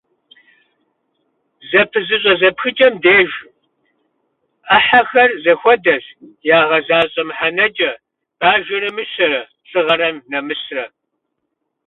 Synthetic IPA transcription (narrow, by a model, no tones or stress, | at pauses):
zɐpʰɨzɨɕʼɐzɐpxɨt͡ʃʼɐmdeːʒ | aħaxɐrzɐxʷɔdɐɬjaːʁɐzaːɕʼɐmħanɐd͡ʒʼɐ | b̥aːʒɪɾɨmɨʃɐɾɐ | ɬʼɨʁɐɾɐmnɐmɨsrɐ